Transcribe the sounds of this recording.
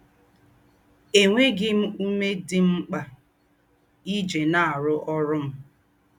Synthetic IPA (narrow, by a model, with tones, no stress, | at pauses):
e˨ŋʷe˦ɡɪ˦m̩˦u˦me˦dɪ˦ŋ͡m̩˦k͡pa˨ | i˦d͡ʒe˨na˦˨a˨ɾʊ˦ʔɔ˦ɾʊ˦m̩˦